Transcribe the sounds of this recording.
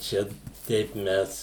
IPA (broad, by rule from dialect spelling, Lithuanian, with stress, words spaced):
ˈt͡ʃʲɛ ˈtʲɛɪp ˈmʲɛs